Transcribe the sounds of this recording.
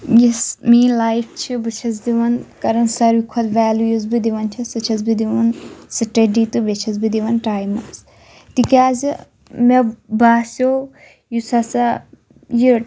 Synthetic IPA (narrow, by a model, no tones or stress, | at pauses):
jesmiːnlaːjpʰt͡ʃʰibɨt͡ʃʰɐz̬d̪iʋɐnkɐɾɐnsɐɾʋikʰɐd̪ʋaːlujuz̬bid̪iʋɐnt͡ʃʰisɨt͡ʃʰɐz̬bid̪iʋɐnsɨʈeɖit̪ɨbet͡ʃʰɐzbid̪iʋɐnʈaːjmɐs | t̪ikʲaːzi | mebaːsjo | jusɐsa | ji